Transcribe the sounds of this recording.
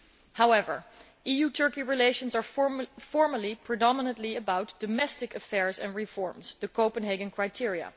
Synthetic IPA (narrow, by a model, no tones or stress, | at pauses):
hawɛvə̰˞ | ʔijutʰɜ˞kiɹileɪʃə̃nzɑɹfɔɹməlipʰɹɨdɑmənə̃ntliəbawt̚d̥ɔmɛstɪkəfɛɹzɛ̰̃nɹifɔɹmzðəkoʊpə̃nɦeɡɨ̃nkʰɹajtʰɪɹiə̰